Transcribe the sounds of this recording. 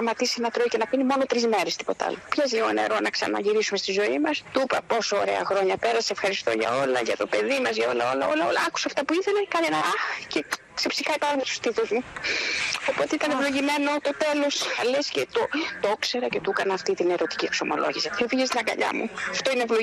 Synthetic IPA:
ɐmɐt̪isinɐt̪ɾoicenɐpinimo̞no̞t̪ɾizme̞ɾest̪i̥po̞̰t̪ɐ̰lopçɐzliɣoenɐɾo̞nɐksɐ̰nɐʝiɾisumest̪izo̞imɐst̪upɐpo̞sooːɾe̞̰ɐ̰xɾo̞ɲɐpeɾɐssefxɐɾist̪o̞̰ʝɐ̰o̞lɐʝɐt̪o̞pe̞ðimɐzʝɐo̞lɐo̞̰lɐ̰o̞lɐolɐɐku̥sɐːft̪ɐpuiθele̞kɐnenɐɐce̞ | se̞psixɐipɐxunest̪o̥st̪iθozmu | o̞po̞t̪eit̪ɐnevlo̞ʝime̞no̞t̪o̞t̪e̞lo̞sɐlescet̪ot̪okse̞ɾɐce̞t̪ukɐnɐːft̪it̪ine̞ɾo̞t̪i̥ciekso̞mo̞̰lo̞̰ʝisieviist̪inɐŋɡɐ̰ʎɐ̰mṵɐft̪o̞inevlo

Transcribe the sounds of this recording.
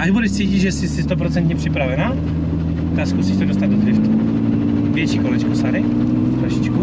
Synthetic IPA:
ʔaʒbudɛʃt͡siːciʒɛsɪsist̪op̬ɾot͡sɛnt̪ɲɛpr̝̥ɪpɾavɛna | t̪askusiʃt̪odost̪ad̪̚dot̪ɾɪft̪u | vjɛt͡ʃiːkolɛt͡ʃkosaɾɪ | t̪ɾoʃit͡ʃku

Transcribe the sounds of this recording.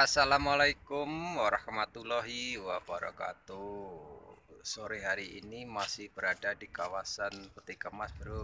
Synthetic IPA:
asalamalajkʊmwaɾahmat̪ulɔɦiwabaɾa̰ka̰t̪u | soɾiɦaɾiʔinimasɪhbəɾadadikawasanpət̪ɪkəmasbəɾu

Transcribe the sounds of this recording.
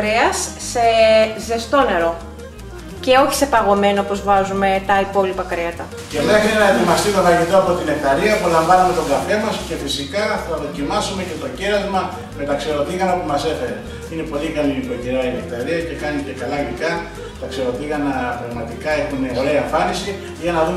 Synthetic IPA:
ɾeɐsːe̞ze̞st̪o̞ne̞ɾo̞ | ce̞o̞çi̥se̞pɐɣo̞me̞noopo̞zvɐzume̞t̪ɐipo̞lipɐkɾeɐt̪ɐ | ce̞me̞xɾienɐet̪imɐst̪it̪ovɐcit̪oɐpo̞t̪ine̞kt̪ɐɾiɐpulɐɱvɐnɐme̞t̪o̞ɡɐfe̞mɐsce̞fisikɐθɐðo̞cimɐsume̞ce̞t̪o̞ce̞ɾɐzmɐ | me̞t̪ɐkse̞ɾo̞t̪iɣɐnɐpumɐse̞feɾe | inepo̞likɐlik̪oʝiɾɐieft̪ɐɾiɐce̞kɐnice̞kɐlɐɣlikɐ | t̪ɐkse̞ɾo̞t̪iɣɐnɐpɾɐɣmɐt̪ikɐe̞xuneoɾeɐɱfɐnd̪isi | ʝɐnɐðum

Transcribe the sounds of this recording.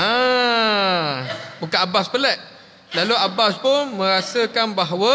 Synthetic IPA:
a | bukanabaspəlɛʔ | laluabaspʊnmə̃ɾasəkanbaɦawə

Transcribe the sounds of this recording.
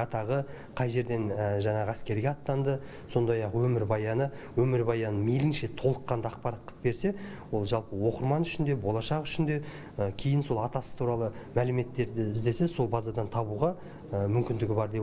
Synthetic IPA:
ɑt̪ɑʁə | qʰɑjʒe̞ɾd̪e̞nəʒɑɴɑʁəæskʲe̞ɾɡʲe̞ɑt̪ːɑnd̪ə | so̞nd̪ɑjɑqwɵmɪɾbɑjɑnə | wɵmɪɾbɑjɑnəmejlɪnʃe̞t̪ʰo̞lˠəqːɑnd̪ɑɑq̚pɑɾɑt̪̚qʰə̥p̚be̞ɾse̞wo̞lˠʒɑlˠpəwo̞qəɾmɑnʏʃɪnd̪e̞bo̞lˠɑʃɑqʏʃɪnd̪e̞ | əkʲʰejɪnso̞lˠɑt̪ɑsə̥t̪ʰuɾɑlˠəmælɪme̞t̪ːe̞ɾd̪ɪɪzd̪e̞se̞so̞lˠbɑzɑd̪ɑnt̪ʰɑβuʁɑ | əmʏmkʲɪnd̪ɪɡʲɪbɑɾd̪e̞

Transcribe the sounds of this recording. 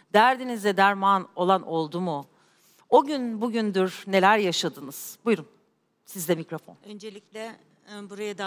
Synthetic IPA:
d̪̥æɾd̪inizd̪ɛd̪æɾmano̞lˠanʔo̞lˠd̪umu | o̞ɟynbuɟynd̪yɾne̞lʲæɾjaʃad̪ɯnɯz̥bujɾum | sizd̪ɛmicɾo̞fo̞̰nønd͡ʒelʲiclʲɛ | buɾajad̪a

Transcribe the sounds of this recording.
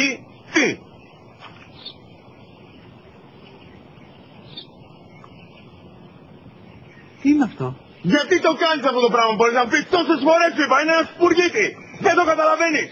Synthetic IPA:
i | t̪i | t̪iinɐft̪o | ʝɐt̪it̪o̞kɐnisɐft̪ot̪o̞pɾɐɣmɐbo̞ɾiznɐpist̪o̞sesmo̞ɾesfipɐinenɐspuɾʝit̪iðed̪o̞kɐt̪ɐlɐve̞nis

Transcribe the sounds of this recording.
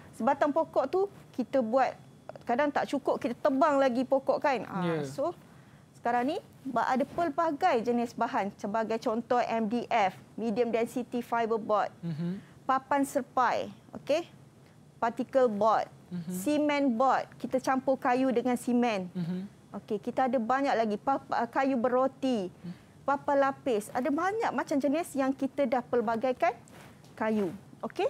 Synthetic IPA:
səbat̪aŋpɔkɔʔt̪u | kit̪əbuat̪̚ | kadaŋt̪aʔt͡ʃukʊp̚kit̪ət̪əbaŋlaɡipɔkɔʔkana̰so | sə̥kaɾaŋnĩ | baʔadapəlbaɡajd͡ʒənɪsbaɦant͡ʃəbaɡajt͡ʃɔnt̪ɔhʔɛmdiʔɛfmĩdiəmdɛnsit̪ifajbəbɔt̪̚ | papansərpaj | o̰ke | part̪ikəlbɔt̪̚simɛ̃nbɔt̪̚kit̪at͡ʃampʊkajudəŋãnsimɛ̃n | ʔokekit̪aadəbaɲaʔ̚laɡipaəkajubərot̪i | papanlapɪsadəbaɲak̚mat͡ʃamd͡ʒənɪsjaŋkit̪adahpəlbaɡajkan | kajuʔoke

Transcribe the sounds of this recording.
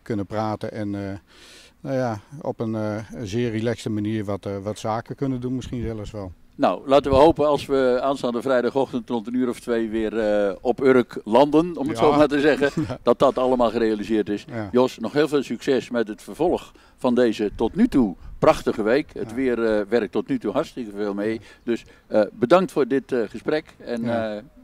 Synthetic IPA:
kønəpraːtəʔɛn | najaɔ̰pənzɪːrilɛkstəmaniəɹʋɑtʋɑtsaːkəkønədunmɪsχinzɛlˠəfsʋɛlˠnawlaːtənʋəɦowpənɑlˠsʋəaːnstaːndəvrɛjdɑxɔxtəntrɔntənyːɾɔftʋejʋɪərɔpørklɑndənɔməsowmatəzɛɣəd̥ɑt̚dɑtɑlˠəmaːlˠχərejalizɪːrtɪsjɔsnɔxɦɪːlˠvɪːlˠsyksɛsmɛtətfərvɔlˠəx | fɑndeːzətɔtnytuprɑxtəɣəʋejkətʋɪərʋɛrk̚tɔtnytuɦɑrstɪkəveːlˠmejdøs | əbədɑŋktfʊːrdɪtχəsprɛkɛn

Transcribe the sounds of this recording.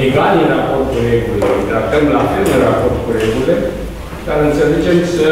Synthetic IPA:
iɡanjɨnako̞rd̪kuɾeɡulḛd̪at̪əmblafelnɨnako̞rd̪̚kuɾeɡulie | d̪̥aɾɨnt̪selit͡ʃemsə

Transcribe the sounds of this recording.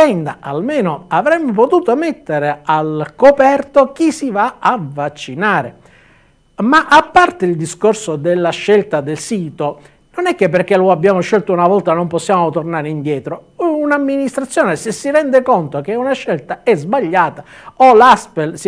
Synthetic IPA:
ɛnd̪a̰ʔa̰lmeːnoavɾɛmːop̬ot̪uːt̪omet̪ːeɾealkopɛrt̪ok̟isivaavat͡ʃːinaːɾe | maʔapːart̪eild̪iskorsod̪elːaʃːɛlt̪ad̪elsiːt̪o | nonɛk̟ːepːerk̟eloabːjaːmoʃːɛlt̪ounavɔlt̪anomposːjaːmot̪ornaːɾeind̪jɛːt̪ɾo | unamːinist̪ɾat̪sːjɔːnesesːiɾɛnd̪ekont̪ok̟eunaʃːɛlt̪aɛzbaʎːaːt̪ḁolaspels

